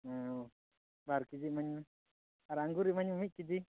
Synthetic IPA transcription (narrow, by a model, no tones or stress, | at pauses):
baɾkid͡ʒimaɲmɛ | aɾaŋɡuɾimaɲmmic̚kid͡ʒi